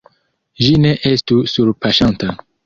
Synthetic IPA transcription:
ʒineʔestusuɾpaʃanta

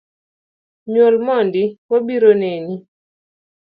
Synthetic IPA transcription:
ɲolmɔndiwabiɾoneɲi

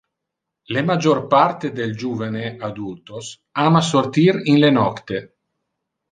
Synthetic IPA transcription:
lemad͡ʒorpart̪ed̪eld͡ʒuːvanead̪ult̪os | amasort̪iɾinlenɔkt̪e

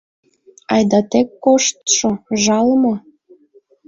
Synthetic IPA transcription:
ɑjd̪ɑt̪ekːoʃt̪ʃoʒɑlmo

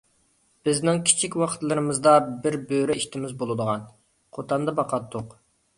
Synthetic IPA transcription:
b̥ɪznɪŋkʲʰi̥t͡ʃʰikʲwɑqʰt̪lˠɨɾɨmɨzd̪ɑbɪɾbøɾɛiʃt̪ʰɪmɪzbolˠɨd̪əʁɑn | qʰot̪ʰɑnd̪ɑbɑqɑt̪ʰːʊq

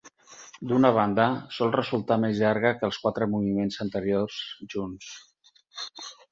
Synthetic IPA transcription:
d̪unəβ̞and̪əsɔlˠrəzulˠt̪amezʎaɾɣ̞əkəlˠskwat̪ɾəmuβimenzənt̪əɾiorzʒuns

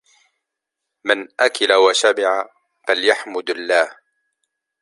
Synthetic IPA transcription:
manʔakɪlawaʃamɪʕa | faljaħmʊd̪alːaːh

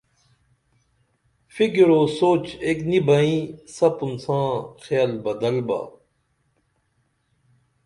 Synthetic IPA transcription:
fiɡiɾoːsoːt͡ɕeknibɐĩsɐpunsãːxjaːlbɐd̪ɐlba̰

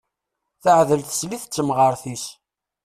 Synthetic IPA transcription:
θəʕðəlθə̥sliθət͡sːəmʁəɾˤθis

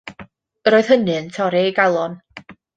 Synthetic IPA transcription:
əɾoːɨð̥hənɨntʰɔɾɛiɡalˠɔn

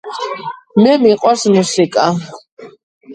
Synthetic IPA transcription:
mɛmiqʼwasmusikʼa

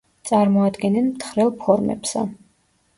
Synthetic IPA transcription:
t̪sʼaɾmɔad̪ɡɛnːɛnmt̪ʰχɾɛlˠpʰɔɾmɛ̰psa̰

